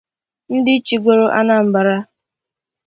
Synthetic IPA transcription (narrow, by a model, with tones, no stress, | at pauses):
n̩˦dɪ˦t͡ʃi˨ɡʷo˨ɾo˦ʔa̰˦na˨m̩˨ba˨ɾa˦